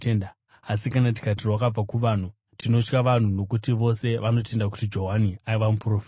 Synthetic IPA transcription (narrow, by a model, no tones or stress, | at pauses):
enda | asikanat̬i̥kat̬irwakab͡vakuʋaːn̤u | tino̞t͡ʃkaʋan̤uno̞kutiʋo̞se̞ʋano̞te̞ndak̬u̥tid͡ʒo̞ɦaniaiʋamupro̞ːfi̥t